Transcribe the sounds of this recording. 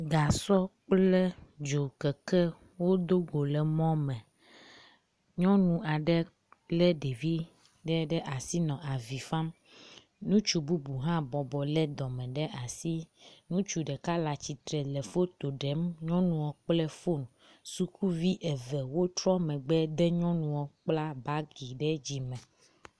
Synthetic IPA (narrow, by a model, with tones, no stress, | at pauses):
ɡa˨sɔ˦k͡plɛ˦d͡ʒo˨kɛ˨kɛ˦ | wo˦d̪o˦ɡo˨lɛ˨mɔ̃˦mɛ̃˨ | ɲɔ̃˦nũ˨a˨ɖɛ˦ | lɛ˦ɖe˨vi˦ | ɖɛ˦ɖɛ˦ʔa˨si˦nɔ̃˨ʔa˨vi˨fa˦m | nũ˦t͡ʃu˦bu˦bu˨ɦã˦bɔ˨bɔ˨lɛ˦d̪ɔ˨mɛ̃˨ɖɛ˦ʔa˨si˦nũ˦t͡ʃu˦ɖɛ˨ka˦la˨t͡ɕi˨t̪ɾɛ˨lɛ˨fo˦t̪o˨ɖɛ˨˦mɲɔ̃˦nũ˨wɔ˨k͡plɛ˦fo˦˨ñ˨ | su˦ku˦vi˦ʔɛ˨vɛ˨wo˦t̪ɾɔ˦mɛ̃˨ɡ͡bɛ˦d̪ɛ˦ɲɔ̃˦nũ˨wɔ˨k͡pla˦ba˦ɡi˨ɖɛ˦d͡ʑi˨mɛ̃˨